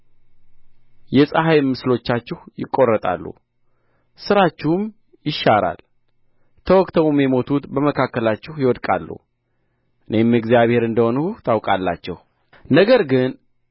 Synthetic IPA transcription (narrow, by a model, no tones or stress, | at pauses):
jɛsʼəɦajmːɨslo̞t͡ʃːat͡ʃːɪhjɪkʼːo̞rːət̪ʼa̰lːṵ | sɨɾat͡ʃːɪhum | jɪʃːaɾa̰l | t̪ʰəwɔkʼt̪ʰəwumjɛmo̞t̪ʰut̪bəməkʰakːəlat͡ʃːɪhjɪwɔd̪kʼa̰lːṵ | ʔɨne̞mːɨɡzijaβhe̞ɾɨnd̪əho̞nuht̪ʰawkʼalːa̰t͡ʃːɛ̰h | nəɡəɾɡɨn